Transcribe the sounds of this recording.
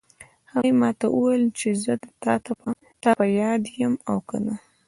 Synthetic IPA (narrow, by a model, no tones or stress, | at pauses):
hajmɑt̪aʔəwejlt͡ʃezəd̪ət̪ɑt̪a | t̪ɑpajɑd̪jəmawkə̰na